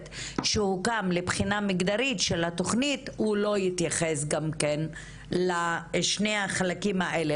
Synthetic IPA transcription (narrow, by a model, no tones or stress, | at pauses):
tʃehukamlepχinamiɡd̪aʁitʃelhato̞χnithulo̞jit̪jaχesɡamken | laʃneaχalakimhaʔele